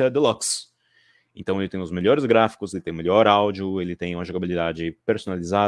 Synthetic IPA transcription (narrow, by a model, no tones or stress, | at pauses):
ɐd̪ɪlɔks | ẽnt̪ɐ̃w̃elɪt̪ẽj̃ʊzmeʎɔɾɪzɡɾafi̥kʊzelɪt̪ẽj̃meʎʲɔɾawd͡ʒʊelɪt̪ẽj̃ũmɐʒoɡabilid̪ad͡ʒɪpeɾsonaliza